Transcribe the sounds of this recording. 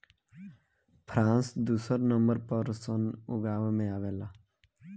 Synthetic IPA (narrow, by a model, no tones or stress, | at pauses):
pʰɾãːnsd̪uːsəɾnəmbəɾpəɾsənʊɡaːʋmẽaːʋeːlaː